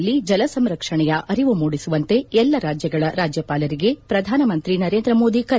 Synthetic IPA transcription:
lːid͡ʒɐlɐsɐmɾɐkʂɐɳɛjɐʔɐɾiʋumoːɽisuʋɐnt̪e̞ɛlːɐɾaːd͡ʒjɐɡɐɭɐɾaːd͡ʒjɐpaːlɐɾiɡe̞pɾɐd̪ʱaːnɐmɐnt̪ɾinɐɾeːnd̪ɾɐmoːd̪ikɐ

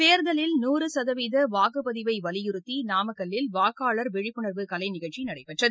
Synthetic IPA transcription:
peːɾðɐlɪlnuːrɯsɐðɐʋiːðɐʋaːɣɯpɐðɪʋɐɪʋɐlɪjɪɾɯt̪ːinaːmɐɣɐlɪlʋaːkaːɭɐɾʋɛɻɪpːɯɳɐɾʋɯkɐlɐɪnɪɣɐɭt͡ʃinɐɽɐɪpːɛʈrɐð

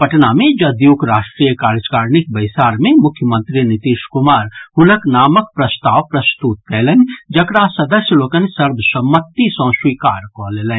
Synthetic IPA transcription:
pɐʈnamẽd͡ʒɐd̪juːkɾaːʃʈɾiːjəkaːɾd͡ʒkaːɾnɪk̚bɐɪsaːɾmẽmʊkʰjəmə̃nt̪ɾinɪt̪iːʃkʊmaːɾhʊnəknaːmək̚pɾɐst̪aːʋpɾɐst̪uːt̪̚kɛːlə̃nd͡ʒɐkɾasɐd̪əsjəloːkənsɐɾbʱsəmːət̪ːisɔ̃swiːkaːɾkoleːlə̃n

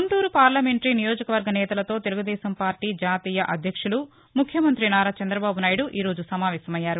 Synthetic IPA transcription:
unt̪uːɾupaːɾlɐme̞ɳʈɾinijo̞ːd͡ʒɐkɐʋɐɾɡɐnɛːt̪ɐlɐt̪o̞ːt̪e̞luɡud̪ɛːsɐmpaːɾʈiːd͡ʒaːt̪iːjɐʔɐd̪ʱjɐkʂulu | mukʰjɐmɐnt̪ɾinaːɾaːt͡ʃɐnd̪ɾɐbaːbunaːjɽuʔiːɾo̞ːd͡ʒusɐmaːʋɛːsɐmɐjːaːɾu

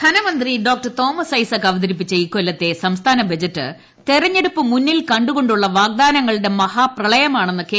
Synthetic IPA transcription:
d̪ʰʱɐnɐmɐnd̪riɖo̞ːk̚ʈɐrt̪o̞ːmɐsɐjsɐkːɐʋɐd̪ɐɾip̬ːit͡ɕːɐiːkːo̞lːɐt̪ːe̞sɐmst̪ʰaːnɐbɐd͡ʑɐtːɨ̰ | t̪erɐɲːe̞ɽupːɨmunːilkɐɳɖuɣo̞ɳɖuɭːɐʋaːɡ̚d̪aːnɐŋːɐɭɨɽe̞mɐhaːprɐɭɐjɐmaːɳenːɨke

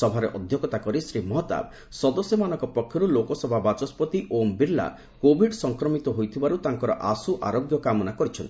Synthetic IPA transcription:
ɔbʱaɾeʔɔd̪ʱjɔkɔt̪akɔɾisɾimɔɦɔt̪a̰b | sɔd̪ɔsjɔmanɔ̃ŋkɔpɔkʰːjɔɾulokɔsɔbʱabat͡ʃɔspɔt̪iʔombiɾla̰ | kobʱiɖsɔŋkɾɔmit̪ɔɦojt̪ʰibaɾut̪aŋkɔɾɔʔasuʔaɾoɡjɔkamɔnakɔɾit͡ʃʰɔnt̪i

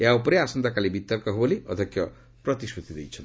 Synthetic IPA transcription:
eɦaupɔɾeasɔnd̪akalibit̪ɔɾkɔɦboliɔ̰d̪ʱɔkʰjɔ | pɾɔt̪iskɾut̪id̪ejt͡ʃʰɔn

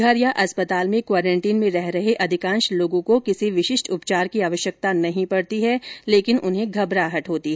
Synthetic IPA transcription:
ɡʱɐɾjaʔɐspət̪aːlmẽkwaːɾɛ̃ːɳʈiːnmẽɾɛɦɾɐɦeʔɐd̪ʱɪkãːnʃloːɡõkokɪsiʋɪʃɪʃʈʰʊpt͡ʃaːɾkiaːʋəʃjək̚t̪anɐɦĩpɐɽt̪iɦɛleːkɪnʔʊnɦẽɡʱɐbɾaːɦɐʈɦoːt̪iɦɛ

